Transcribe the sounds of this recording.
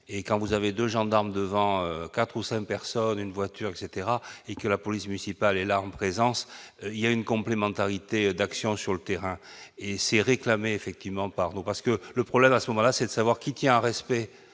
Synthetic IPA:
ekɑ̃vuzaved̪øʒɑ̃d̪aʁməd̪əvɑ̃økat̪χusɛ̃ŋk̚pɛʁsɔnynvwat̪ʰyʁɛkset̪eʁaekəlapɔlismynisipalɛlaɑ̃pχezɑ̃siljaynkɔ̃plemɑ̃t̪aʁit̪ed̪aksjɔ̃syʁlət̪eʁɛ̃esɛʁeklameːfɛk̚t̪ivmɑ̃paʁnupaʁsə̥kələpχɔblɛmasəmɔmɑ̃lasɛd̪əsavwaʁkʲit̪jɛ̃ɛ̃ʁɛspɛ

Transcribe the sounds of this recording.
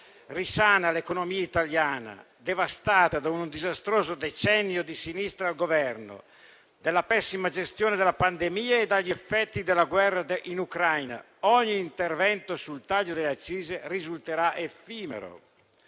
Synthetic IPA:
risaːnalekonomiːait̪aljaːna̰ | d̪evast̪aːt̪ad̪aunud̪izast̪ɾoːzod̪et͡ʃɛnːjod̪isinist̪ɾalɡovɛrno̰ | d̪elːapɛsːimad͡ʒest̪joːned̪elapand̪emiːaed̪aʎːefːɛt̪ːid̪elːaɡwɛrːad̪ʔinukɾajna̰ | ɔɲːiːnt̪ervɛnt̪osult̪aʎːod̪eleat͡ʃːiːzerizult̪eɾaʔefiːmḛɾo̰

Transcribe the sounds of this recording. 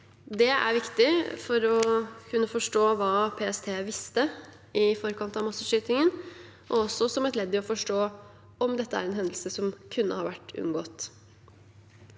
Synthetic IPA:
d̪ɛæ̰ɾʋɪkt̪ɪfɔɾɔkʰʉnːəfɔʂʈoːʋɑːpʰeːɛst̪ʰeːʋɪst̪ə | ɪfɔɾkʰɑnt̪ɑʋmɑsəʂyːt̪ɪŋən | ʔɔɔsːɔsɔmɛt̪lɛd̪ːɪɔfɔʂʈoː | ɔmd̪ɛt̪ːəæ̰ɾɛnɦɛnd̪l̩səsɔmkʰʉnːəhɑɾʋæʈːʉ̰ŋɡoːt̪

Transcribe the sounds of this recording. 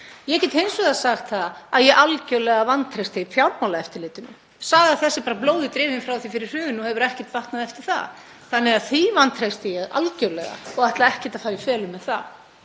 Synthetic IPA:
jɛcɛt̪hejnsvʏðasaxt̪θaðaðjɛɣʔalcœlɛɣavant̪ɾejst̪eifjawɾmawlaɛft̪ɪɾlɪːt̪ʏnʏ̰ | saːɣaθɛsːɪpaːɾaploːwðɪt̪ɾɪːvɪnfɾawθifɪɾɪɾ̥ʏːvʏnɔhɛvʏɾɛhcɛt̪vaht̪naðɛft̪ɪɾ̥θa̰ð | θanːɛɣaðθivant̪ʰɾest̪ɪjɛɣa̰lcœɾlɛɣa̰ɔɣaht̪laɛhcɛt̪ḁfaːjɪfɛːlʏmːɛðθa̰

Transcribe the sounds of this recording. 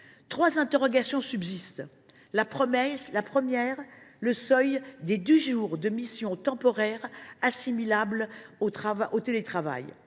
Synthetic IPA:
t̪χwazɛ̃t̪eʁɔɡasjɔ̃sybzist̪ | lapχɔmɛslapχəmjɛʁləsœjd̪ed̪øʒuʁd̪əmisjɔ̃t̪ɑ̃pɔʁɛʁasimilablot̪χavaʔot̪elet̪χava̰j

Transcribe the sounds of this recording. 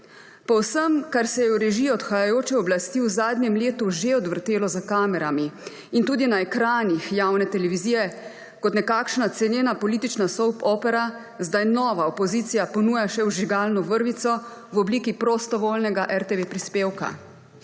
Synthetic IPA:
pɔwsəmkaɾsɛjɛuɾɛʒiːɔɔt̪xajajoːt͡ʃɛɔblast̪iːwzaːd̪nʲjɛmleːt̪uʒeɔd̪ʋəɾt̪eːlɔzakaːmɛɾami | int̪uːd̪inaɛkɾaːnixjawnɛt̪ɛlɛʋiziːjɛ | kɔt̪nɛkaːkʃnat̪sɛnjeːnapɔliːt̪it͡ʃnasɔwpɔːpɛɾa | zd̪ajnɔːʋaɔpɔzit̪sijapɔnuːjaʃɛwʒiɡaːlnɔʋəɾʋit̪sɔwɔbliːkipɾɔst̪ɔʋoːlnɛɡaʔɛɾt̪eʋepɾispeːwka̰

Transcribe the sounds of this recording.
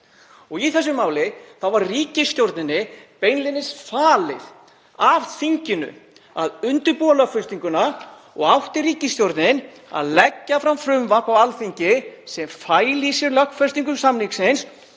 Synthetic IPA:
ɔɣiθɛsːʏmaːwlɪθawvaɾriːcɪst̪jowɾt̪nɪnːɪpejnlɪnːɪsfaːlɪð | av̥θiɲcɪnʏ̰ | a̰ðʏnt̪ʏɾpɔːlafʏst̪iŋkʏna | ɔ̰ɣawht̪ɪɾiːcɪst̪jowɾt̪nɪn | a̰ðlɛcːafɾamfɾʏmvapawalθiɲcɪsɛmfaːjlisɛɾlœkfɛ̥st̪iŋkʏmsamniksɪns

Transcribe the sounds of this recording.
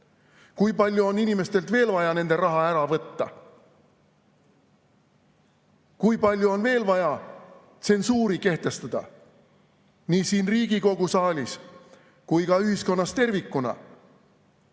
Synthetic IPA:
kujpɑlʲjuo̞ninime̞st̪e̞lt̪ve̞ːlvɑjɑne̞nd̪̥e̞ɾɑɦɑæɾɑvɤt̪ːɑ̰ | kujpɑlʲjuo̞nve̞ːlvɑjɑ | t̪se̞nsuːɾike̞ht̪e̞st̪ɑd̪̥ɑ̰ | niːsiːnriːɡ̥iko̞ɡ̥usɑːlʲis | kujkɑyɦisko̞nːɑst̪e̞rvikːˑunɑ̰

